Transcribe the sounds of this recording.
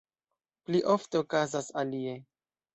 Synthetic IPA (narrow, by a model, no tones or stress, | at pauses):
pliʔo̞fteokazasalie